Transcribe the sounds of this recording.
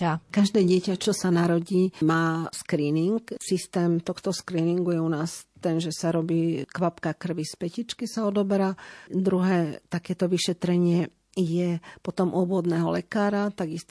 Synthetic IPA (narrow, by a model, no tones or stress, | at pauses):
akaʒd̪ɛːɟɪɛcat͡ʃɔsanaɾɔɟiːmaːskɾiːniŋksist̪ɛːmt̪ɔxt̪ɔskɾiːniŋɡujɛunaːst̪ɛnʒɛsaɾɔbiːkʋapkakr̩ʋispɛcit͡ʃkisaɔd̪ɔbɛɾad̪ɾuɦɛːt̪akɛːt̪ɔʋiʃɛt̪ɾɛɲɪɛ | jɛpɔt̪ɔmʔuɔbʊɔd̪nɛːɦɔlɛkaːɾat̪aɡist̪